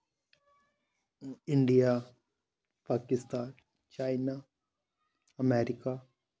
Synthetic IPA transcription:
ɪɳɖija | paːkɪst̪aːn | t͡ʃaːɪna | ɐmeːɾɪka

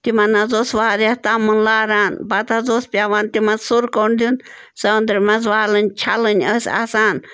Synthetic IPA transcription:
t̪imɐnazoːsʋaːɾʲat̪amɨnlaːɾaːnbat̪azoːspʲaʋaːnt̪imɐnzsuɾkoɳd̪ʲun | sɐnd̪ɾimɐzʋaːlɨnʲt͡ʃʰalɨnʲəsʲa̰saːn

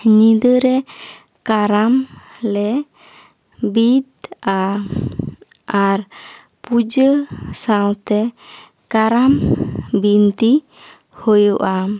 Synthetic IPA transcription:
ɲid̪əɾɛ | kaɾamlɛ | bid̪̚a | aɾ | pud͡ʒəsawt̪ɛ | kaɾambint̪i | hɔjɔʔa

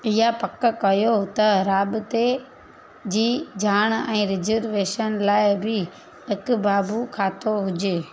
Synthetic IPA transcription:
ɪɦapɐkkɐjot̪ɐɾaːbɪt̪e | d͡ʑiːd͡ʑʱaːɽ̃ɛ̃ːɾɪzəɾʋeːʃənlaːɪbɪ | ɪkʊbaːbukʰaːt̪oɦʊd͡ʑeː

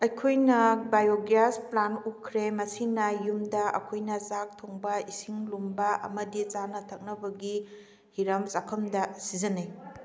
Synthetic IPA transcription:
ɐjkʰojnɐbajoɡɾasplanukʰɾemɐsinɐjumdɐɐ̰kʰojnɐzak̚tʰoŋbɐisiŋlumbɐʔɐ̰mɐdit͡ʃanɐtʰɐk̚nɐbɐɡi | hiɾɐmsakʰɐmdɐsizɐnej

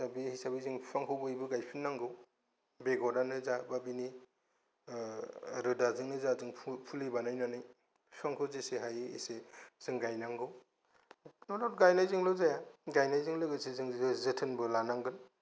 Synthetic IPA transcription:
sabihisabizɯŋpʰaŋhʰɯwbɯjbɯɡajpʰinːaŋɡɯw | beɡɔdanɯzababini | ɾɯdazɯŋnɯzazɯŋpʰpʰulibanajnanɯj | pʰaŋkʰɯzeseɦajḭsez̥ɯŋɡajnaŋɡɯw | nɔdɔt̚ɡajnajzɯŋlɯzajaɡajnajzɯŋlɯɡɯsezɯŋɯzɯtʰɯnbɯlanaŋɡɯn

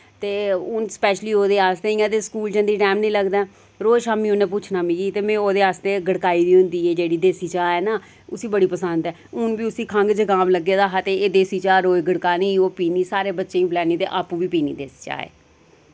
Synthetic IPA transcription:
t̪eːʊnspɛːʃliːoːd̪eːaːst̪eːĩːãːt̪̬eːskuːlt͡ʃə̃nd̪iːʈɛːmnĩːləɡd̪aː | ɾoːʃaːmĩːʊnẽːpʊt͡ʃʰnaːmĩːd͡ʒiːt̪eːmɛ̃ːoːd̪eːaːst̪eːɡəɽkaːiːd̪iːɦʊ̃nd̪iːɛːd͡ʒeːɽiːd̪eːsiːt͡ʃaːɛːnaː | ʊsĩːbəɽiːpəsənd̪ɛːʊnbiːʊsĩːkʰəŋɡd͡ʒəɡaːmləɡːeːd̪aːɦat̪eeːd̪eːsiːt͡ʃaːɾoːɡəɽkaːnĩːoːpiːniːsaːɾeːbətːʃeːĩːblɛːniːt̪ḛːʔaːpũːʋiːpiːnḭːd̪eːsi̥ːt͡ʃa̰ːḛː

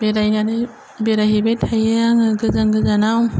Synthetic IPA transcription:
beɾajnanɯ | beɾaɦibetʰajaŋɯɡɯzaŋɡɯzanaw

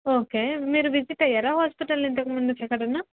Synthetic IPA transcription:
oːkeːmiːɾuʋid͡ʒiʈːɐjːaːɾaːɦaːspiʈɐlint̪ɐkimund̪ut͡ʃɛkːɐɽunːa

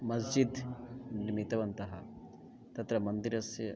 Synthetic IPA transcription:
mɐzd͡ʒid̪nimit̪ɐʋɐnt̪ɐɦɐ | t̪ɐt̪ɾɐmɐnd̪iɾɐsjɐ

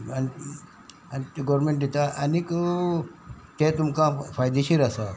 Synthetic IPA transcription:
ani | anit̪ɡɔɾɾmeɳʈd̪et̪aʔanik | t̪et̪umkãfajd̪eɕiːɾasa

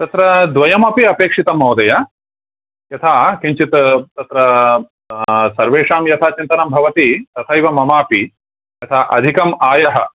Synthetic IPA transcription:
t̪ɐt̪ɾɐd̪ʋɐjɐmɐpiɐpeːkʂit̪ɐmɐwd̪ɐjɐ | jɐt̪ʰaːkiɲt͡ʃit̪t̪ɐt̪ɾɐ | sɐɾʋeːʂaːmjɐt̪ʰaːt͡ʃint̪ɐnɐmbʱɐʋɐt̪it̪ɐt̪ʰɐiʋɐmɐmaːpi | jɐt̪ʰaːʔɐ̰d̪ʱikɐmaːjɐɦɐ̰

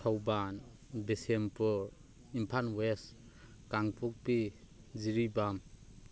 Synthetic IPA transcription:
tʰawban | besempʰuɾ | impʰanwes | kaŋpʰuk̚pi | ziɾibam

